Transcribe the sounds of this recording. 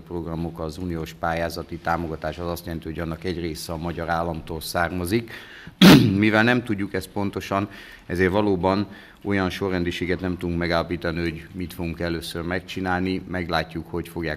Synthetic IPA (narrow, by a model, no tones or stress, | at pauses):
pro̞ɡrɒmo̞kɒzuːnijoːʃpaːjaːzɒt̪it̪aːmo̞ɡɒt̪aːʃɒzɒst̪jɛlɛnt̪iɦoɟɒnːɒkɛɟreːsɛɒmɒɟɒɾaːlːɒmt̪oːlsaːrmɒzik | mivɛlnɛmt̪uɟːukɛst̪̚po̞nt̪o̞ʃɒn | ɛzeːrʋɒloːbɒn | o̞jɒnʃo̞rːɛnd̪iʃeːɡɛt̪nɛmt̪ud̪uŋkmɛɡaːlːɒpiːt̪ɒniho̞ɟmit̪fo̞ɡuŋkɛløːsørmɛk̚t͡ʃinaːlnimɛɡlaːcːukho̞cfo̞ɡjaː